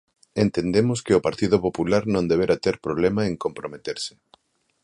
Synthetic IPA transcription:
ent̪end̪emʊskɪʊpaɾt̪iðopopulaɾnõnd̪eβ̞eɾat̪eɾpɾoβlemaeŋkompɾomet̪eɾsɪ̥

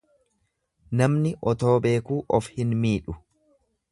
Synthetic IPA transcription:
nɐmnɪʔɔt̪o̞ːbe̞ːkuːʔɔfhɪnmiːᶑʊ

